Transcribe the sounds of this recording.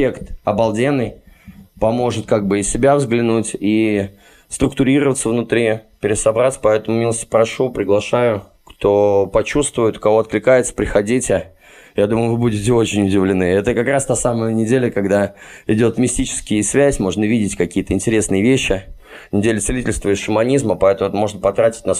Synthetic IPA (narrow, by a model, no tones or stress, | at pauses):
ekt̪ɐbɐlˠdʲenːɨjpɐmo̞ʐɨt̪̚kaɡ̚bɨɪssʲɪbʲavzɡlʲɪnutʲi | st̪ɾʊkt̪ʊɾʲiɾəvət̪səvnʊt̪ɾʲipʲɪɾʲɪsɐbɾat̪sə̥pɐɛt̪əmʊmʲilˠəstʲpɾɐʂupɾʲɪɡlˠɐʂajʊ | kt̪opɐt͡ɕust̪vʊjʊt̪ʊ̥kɐvo̞ɐt̪klʲɪkajɪt̪sə̥pɾʲɪxɐdʲitʲɪ | jad̪uməjʊvɨbudʲɪtʲɪo̞t͡ɕɪnʲʊdʲɪvlʲɪnɨɛt̪əkɐkɾast̪asaməjənʲɪdʲelʲəkɐɡd̪aɪdʲo̞t̪mʲɪsʲtʲit͡ɕɪ̥skʲɪjəsvʲæsʲmo̞ʐnəvʲidʲɪtʲkɐkʲijət̪əɪnʲtʲɪɾʲe̞snɨjəvʲeɕːɪ | nʲɪdʲelʲɪt̪sɪlʲitʲɪlʲst̪vəɪsʂəmɐnʲizməpɐɛt̪əmʊɛt̪mo̞ʐnəpɐt̪ɾatʲɪ̥tʲnas